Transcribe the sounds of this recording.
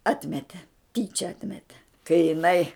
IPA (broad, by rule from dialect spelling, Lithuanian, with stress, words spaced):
ˈɑːtʲmʲɛtʲɛ ˈtʲiːt͡ʃʲɛ ˈɑːtʲmʲɛtʲɛ kɐɪ jɪˈnɐɪ